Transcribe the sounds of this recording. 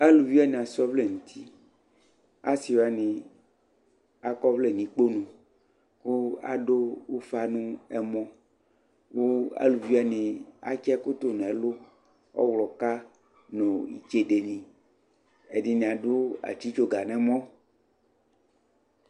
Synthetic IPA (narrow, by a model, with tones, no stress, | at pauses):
a˦lu˨vi˦a˦nĩ˨a˨sɔ˦vle˨ŋũ˨t̪ʰi˦ | a˦si˨wa˦nĩ˨ | a˨kɔ˦vle˨nĩ˨k͡po˦nũ˨ | ku˦a̰˨ɖo˦wo˦fa˦nũ˦ɛ˦mɔ̃˦ | wo˦a̰˦lu˨vi˦a˦nĩ˨a̰˦t͡ʃɛ˦ko˦t̪o˦nɛ̃˨˦lo˦ | ɔ̰˦wlɔ˨ka˦ | nõ˨ḭ˨t͡ʃe˦ɖe˨nĩ˨ | e˨di˦nĩ˨a˨ɖo˦a̰˨t͡ʃi˦t͡ʃo˦ɡa˨nɛ̃˨mɔ̃˦